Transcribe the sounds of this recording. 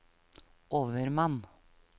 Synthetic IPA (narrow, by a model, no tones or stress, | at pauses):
ʔoːʋəɾmɑn